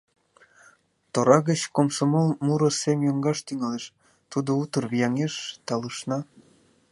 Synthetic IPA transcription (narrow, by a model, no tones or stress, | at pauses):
t̪oɾɑɣət͡ɕkomsomolmuɾosemjoŋɡɑʃt̪yŋɑleʃ | t̪ud̪out̪ərβijɑŋeʃt̪ɑləʃnɑ